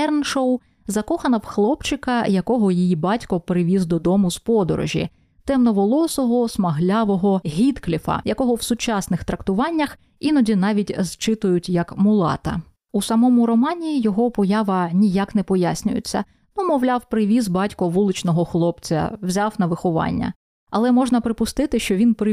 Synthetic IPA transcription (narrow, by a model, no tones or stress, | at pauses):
ɛrnʃɔw | zɐkɔxɐnɐwxlˠɔpt͡ʃɪkɐjɐkɔɦɔjijibɑtʲkɔpɾɪʋʲizd̪ɔd̪ɔmʊspɔd̪ɔ̰ɾɔ̰ʒʲḭ | t̪ɛmnɔʋɔlˠɔsɔɦɔsmɐɦlʲaʋɔɦɔɦʲit̪klʲifɐ̰jɐkɔɦɔwsʊt͡ʃɑsnɪxt̪ɾɐkt̪ʊʋɑnʲːɐx | inɔdʲinɑʋʲitʲzt͡ʃɪt̪ʊjʊtʲjɐkmʊlˠɑ̰t̪ɐ̰ | usɐmɔmʊɾɔmɑnʲiːjɔɦɔpɔjɑʋɐnʲijakn̪ɛpɔjasʲnʲʊ̰jʊ̰t͡sʲːɐ̰ | numɔwlʲawpɾɪʋʲizbɑtʲkɔʋulˠɪt͡ʃnɔɦɔxlˠɔpt͡sʲɐ̰wzʲawnɐʋɪxɔʋɑ̰nʲːɐ̰ | ɐlˠɛmɔʒnɐpɾɪpʊst̪ɪt̪ɪʃt͡ʃɔʋʲinpɾɪ